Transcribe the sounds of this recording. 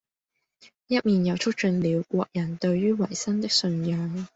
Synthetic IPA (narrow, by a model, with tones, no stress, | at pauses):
jɐ˥t̚miː˨njɐ˨˧wt͡ʃʰɵ˥k̚t͡ʃɵ˧nliː˨˧wkʷɔː˧k̚jɐ˨˩nt̪ɵ˧ɥɥyː˥wɐ˨˩jsɐ˥nt̪ɪ˥k̚sɵ˧njœː˧ŋ